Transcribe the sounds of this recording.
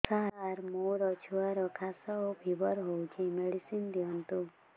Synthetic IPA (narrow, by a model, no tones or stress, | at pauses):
saɦaɾmoɾɔt͡ʃʰuaɾɔkʰasɔobʱibɔɾɦowt͡ʃʰimeɽisind̪iɦɔnt̪u